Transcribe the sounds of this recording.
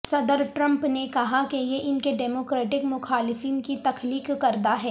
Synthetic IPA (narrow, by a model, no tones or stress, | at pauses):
sɐd̪əɾʈɾɐ̃mpnekɐɦakejeʔɪnkeɖɛːmoːkɾeːʈɪkmʊxaːlɪfiːnkit̪ɐkʰliːkːɐɾd̪aɦɛː